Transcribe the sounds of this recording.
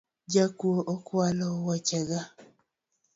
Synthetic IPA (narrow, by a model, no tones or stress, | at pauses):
d͡ʒakwoʔokwalowat͡ʃɛɡa